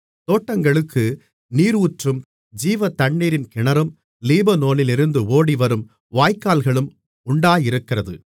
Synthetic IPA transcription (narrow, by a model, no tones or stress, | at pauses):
t̪oːʈːɐŋɡɐɭɯkːɯ | niːɾuːʈrɯm | d͡ʒiːʋɐt̪ɐɳːiːɾɪnkɪɳɐɾɯm | liːbɐnoːlɪlɪɾɯnd̪ɯoːɽiʋɐɾɯm | ʋaːjkːaːlɣɐɭɯm | ʊɳɖaːjɪɾɯkːɪrɐðɯ